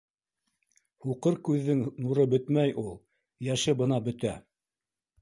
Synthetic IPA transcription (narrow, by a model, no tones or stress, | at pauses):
huqɤɾkʉðːɘŋnuɾɤbɵt̪mæjʔulˠ | jæʃɘbɤ̆nɑbɵ̆t̪æ